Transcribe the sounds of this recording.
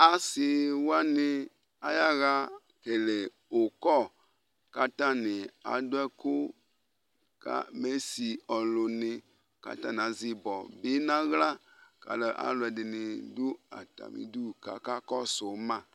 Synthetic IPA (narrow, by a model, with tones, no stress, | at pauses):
a˦si˨wo˦a˦nɪ˦ | a˦ja˦ɣa˦ | ke˨le˨ | o˨kɔ˦˨ | ka˦t̪a˦nɪ˨a̰˨do˦ɛ˦ko˦ | ka̰˦me˦si˨ɔ˨lo˨nɪ̃˨ | ka̰˦t̪ã˦n˨a˨zi˨bɔ˨be˦nã˦ɣla˦ka̰˨le˨ʔa̰˨lʊ˨ɛ˨dɪ˨nɪ˨du˦a̰˨t̪a̰˨mḭ̃˨du˦ka̰˦ka˦kɔ˦so˨˦mã˦˨